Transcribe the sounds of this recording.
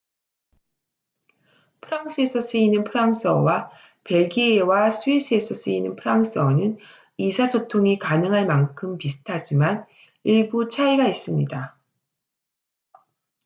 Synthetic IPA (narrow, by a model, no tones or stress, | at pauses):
pʰɯɾaŋs͈ʰɯe̞sʰʌs͈ɯinːɯnpʰɯɾaŋs͈ʌwa | pe̞ɭɡiewasʰuisʰɯe̞sʰʌs͈ɯinːɯnpʰɯɾaŋs͈ʰɯʌnɯn | isʰasʰotʰoŋikanɯŋɦaɭmaŋkʰɯmpisʰɯ̥tʰad͡ʑiman | iɭbut͡ɕʰaiɡais͈ɯmɲida